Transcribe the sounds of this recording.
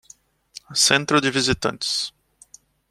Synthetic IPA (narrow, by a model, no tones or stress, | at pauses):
sẽnt̪ɾʊd͡ʒɪvizit̪ɐ̰̃nt͡ʃɪ̥s